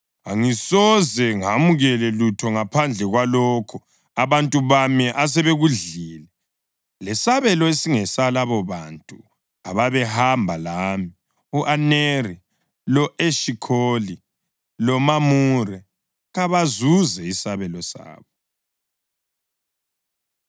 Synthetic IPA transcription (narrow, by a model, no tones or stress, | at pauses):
aŋisɔzɛŋamuɣɛlɛlutʰɔŋapʰand͡ɮʱɛɣwalɔkʰɔ | aβantʼuβamiʔas̬ɛβeɣuɮiːlɛ | lɛsaβɛlɔesiŋɛsalaβɔβantʼu | aβaβɛhambʱalaːmi | uʔaneri | lɔʔeʃikʰoli | lɔmamurɛ | ɣaβazuzɛisaβɛlɔsa̰ːβɔ